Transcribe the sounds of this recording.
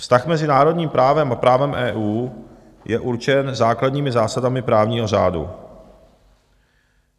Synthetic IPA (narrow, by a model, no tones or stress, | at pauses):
fst̪axmɛzɪnaːɾo̞dɲiːmpɾaːvɛmapɾaːvɛmʔɛːʔuː | jɛʔuɾt͡ʃɛnzaːkladɲiːmɪzaːsadamɪpɾaːvɲiːɦo̞raːdṵ